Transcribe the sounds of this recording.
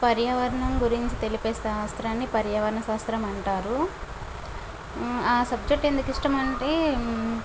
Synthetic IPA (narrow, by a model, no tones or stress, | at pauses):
pɐɾjɐʋɐɾɐɳɐmɡuɾiɲt͡ʃit̪e̞lipɛːst̪ɐːʋɐst̪ɾaːnːipɐɾjɐʋɐɾɐɳɐsaːst̪ɾɐmɐɳʈaːɾu | aːsɐbd͡ʒek̚ʈe̞nd̪ukiʂʈɐmɐɳʈeː